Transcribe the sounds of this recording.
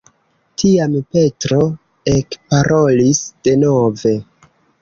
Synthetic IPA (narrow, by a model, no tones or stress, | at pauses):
tʰiampe̞tɾo̞ | ekpaɾʔo̞lisd̥e̞no̞ve̞